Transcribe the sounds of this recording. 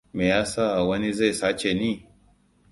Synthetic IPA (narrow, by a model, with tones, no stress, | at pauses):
meː˨jaː˦saː˦˨ʔa˨wɐ˦ni˦za˦˨saː˦t͡ʃe˨niː˦˨